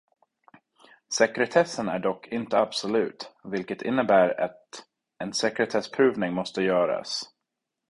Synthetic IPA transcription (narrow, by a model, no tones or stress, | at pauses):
sɛkɾɛt̪ʰɛsːənæ̰ɖɔkːʰɪnt̪əabsɔlʉ̟̰ːt̪vɪlkət̪ʰɪ̰nːəbæːɾa̰t̪ | ɛnsɛkɾɛt̪ʰɛspʰɾʉ̟ːvnɪŋmɔst̪əjœːɾa̰s